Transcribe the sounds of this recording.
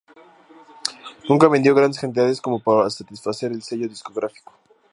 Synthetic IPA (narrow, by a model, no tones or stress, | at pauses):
nũŋkaβend̪jo̞ɣ̞ɾand̪eskant̪̬iðaðesko̞mo̞paɾasat̪isfase̞ɾelse̞ʝo̞ðisko̞ɣɾafi̥ko̥